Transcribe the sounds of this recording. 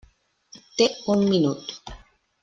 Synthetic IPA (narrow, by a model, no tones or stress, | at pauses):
t̪eunminut̪u̥